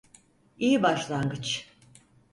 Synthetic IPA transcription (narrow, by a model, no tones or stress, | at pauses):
ijibaʃlˠaŋɡɯt͡ʃʰ